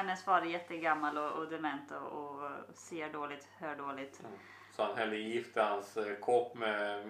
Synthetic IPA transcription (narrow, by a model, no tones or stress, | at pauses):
hɛnːəsvɑɾjɛt̪ːəɡamːalɔʔɔd̪ɛmɛnt̪ɔ̰ɔseːɖoːlɪt̪høːɖoːlɪt̪ | sɔhanɦɛld̪əjɪft̪əhanskʰɔpːmɛ